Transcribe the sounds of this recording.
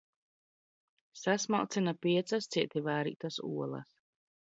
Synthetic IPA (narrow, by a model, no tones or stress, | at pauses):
sasma̰lˠt̪sinapiɛt̪sast̪siɛt̪ʲivaːɾḭːt̪asṵɔlˠɐ̰s